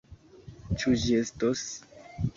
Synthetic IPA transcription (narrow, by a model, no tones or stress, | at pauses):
t͡ʃud͡ʒiestos